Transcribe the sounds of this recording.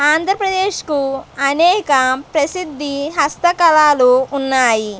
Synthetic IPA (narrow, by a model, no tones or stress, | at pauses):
aːnd̪ʱɾɐpɾɐd̪eːʃkuɐnɛːkɐpɾɐsid̪ʱːiɦɐst̪ɐkɐlaːluːnːaːji